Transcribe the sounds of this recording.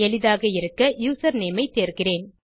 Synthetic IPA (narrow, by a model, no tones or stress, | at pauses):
ɛlɪðaːɣɐɪɾɯkːɐjuːsɐɾneːmɐɪt̪ːeːɾɣɪreːn